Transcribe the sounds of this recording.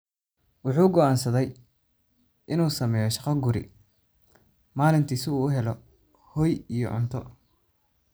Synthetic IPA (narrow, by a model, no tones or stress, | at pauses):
wʊħuːɡɔʔaːnsɐðɛj | ʔɪnuːsɐmɛːjɔʃɑqɐɡʊɾɪ̰ | maːlɪnt̪ʰiːsɪuːʊɦɛlɔ | hɔːjijɔ̰ʕʊ̰nt̪ʰɔ̰